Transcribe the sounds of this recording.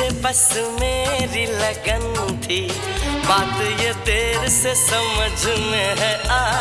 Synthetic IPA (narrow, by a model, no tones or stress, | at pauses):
epəsmeːɾiləɡənt̪ʰiː | baːt̪jət̪eːɾsesəməd͡ʒʱʊneɦɛ̃aː